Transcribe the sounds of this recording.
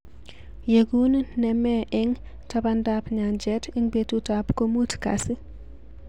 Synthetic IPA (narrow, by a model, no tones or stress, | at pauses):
jeɡunnɛmɛʔɪŋ | tabandapɲand͡ʒɛtɪŋbetutapkomutka̰si